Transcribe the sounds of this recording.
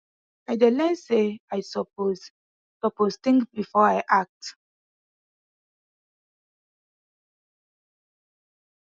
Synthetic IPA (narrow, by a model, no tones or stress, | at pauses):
aɪdelɛ̃nseajsɔp̚oz | pəpost̪ĩŋkbifɔajʔak̚t